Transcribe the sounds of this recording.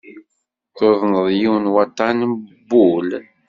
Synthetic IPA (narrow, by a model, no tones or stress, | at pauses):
θoðˤnəðˤjiwnwɑt̪ˤːɑnbːul